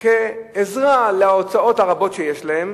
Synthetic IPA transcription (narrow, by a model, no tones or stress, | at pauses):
keːzʁaleaot͡sao̞thaʁabo̞t̪ʃejeʃlahem